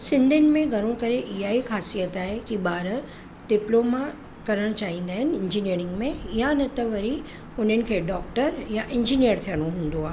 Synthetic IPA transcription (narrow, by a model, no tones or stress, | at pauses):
sɪ̃nd̪ʱɪnɪ̆mẽɡʱɐɾ̃õkɐɾeʔɪɦaːɦixaːsijət̪aːɦekiɓaːɾ | ɖɪploːma | kɐɾəɽ̃t͡ɕaːɦĩːnd̪aːɦɪnɪ̆ɪ̃ɲd͡ʑiniəɾɪ̃ŋɡmẽɪjanɐt̪ɐʋɐɾi | ʊn̤ənɪ̆kʰeːɖɔːk̚ʈəɾjaʔɪ̃ɲd͡ʑinijəɾt̪ʰijəɽ̃oɦũːn̆d̪oaːɦ